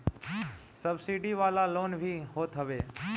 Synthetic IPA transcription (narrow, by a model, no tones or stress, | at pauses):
səbsiɖiʋaːlaloːnbʱiːɦoːt̪ɦəʋeː